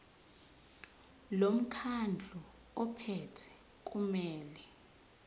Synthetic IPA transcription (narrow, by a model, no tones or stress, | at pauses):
lom̩kʰand͡ɮʱɔ | ɔpʰɛtʰɛ̥ | k̬ʼumɛːlɛ